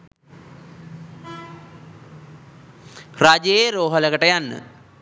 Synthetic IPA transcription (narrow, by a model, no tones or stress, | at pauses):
rad͡ʒejeɾoːɦələkəʈəjanːə̰